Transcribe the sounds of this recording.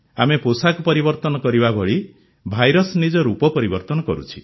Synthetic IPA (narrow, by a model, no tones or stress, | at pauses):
ameposakupɔɾibɔɾt̪ɔnɔkɔɾibabɔɭi | bʱajɾɔsnid͡ʒɔɾupɔpɔɾibɔɾt̪ɔnɔkɔ̰ɾut͡ʃʰi